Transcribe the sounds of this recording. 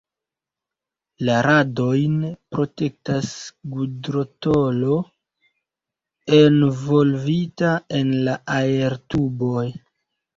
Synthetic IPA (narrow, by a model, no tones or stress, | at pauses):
laɾado̞jnpɾo̞te̞k̚tasɡudɾo̞tolo̞ | envo̞lvitaenlaʔae̞ɾtubo̞j